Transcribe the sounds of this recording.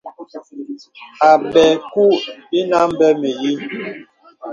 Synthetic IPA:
a˨bɛ˨ku˦i˦na˦m̩˦bɛ˦me˨ji˦

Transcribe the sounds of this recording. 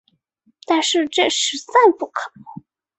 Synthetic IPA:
t̪a˥˧nʂɻ̩˥˧ʈ͡ʂə˥˩ʂɻ̩˨˧˥t͡sa˥˧npu˥˩kʰɤ˨˩n˧˥˦

